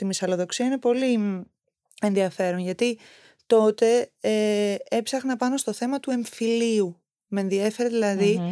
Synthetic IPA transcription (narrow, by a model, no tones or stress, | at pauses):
t̪imisɐlo̞ðoksiɐine̞po̞li | e̞nðiɐfe̞ɾo̞nʝɐt̪i | t̪o̞t̪e̞eepsɐxnɐpɐno̞st̪o̞θe̞mɐt̪ue̞ɱfiliu | menðie̞fe̞ɾeðilɐði